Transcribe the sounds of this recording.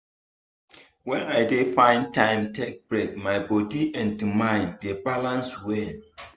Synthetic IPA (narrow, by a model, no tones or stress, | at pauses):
wɛ̃najdefãɪ̃ntʰãɪ̃mtʰek̚b̥ɹek̚majbɔdiʔɛ̃ndimãɪ̃ndebalãnswɛ